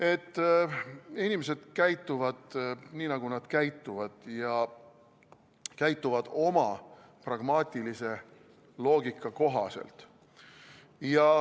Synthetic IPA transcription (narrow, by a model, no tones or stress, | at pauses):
e̞t̪ː | inʲimese̞d̪̥kæjt̪ːˑuvɑd̪̥niːnɑɡ̥unɑd̪̥kæjt̪ːˑuvɑd̪̥jɑ | kæjt̪ːˑuvɑd̪̥o̞mɑ | prɑɡ̥mɑːt̪ʲˑilise̞ | lo̞ːɡikːˑɑko̞ɦɑ̰sḛlt̪ | jɑ